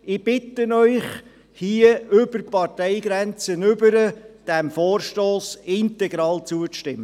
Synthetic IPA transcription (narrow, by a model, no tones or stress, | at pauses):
ɪb̥ɪt̪ənœʏχ | hiəʏbərpɑrtɛɪɡɾɛnt͡sənʏbəɾəd̥ɛmfoːrʃtoːsɪntɛɡɾɑːlt͡suət͡sʃtɪmːə